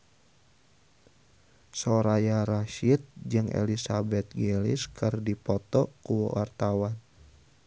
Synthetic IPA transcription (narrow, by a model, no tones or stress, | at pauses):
sɔɾajaɾaʃit̪̚d͡ʒɨŋʔḛlisabɛt̪̚ɡelḭskʰɨrdipɔt̪ɔkuwɔ̰wart̪awan